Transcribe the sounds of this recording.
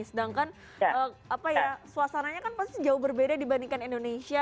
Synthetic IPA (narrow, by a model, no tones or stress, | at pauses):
sədaŋkan | əːapajasuasanaɲakanpast̪id͡ʒaʊuhbərbedadibaniŋkanindonesia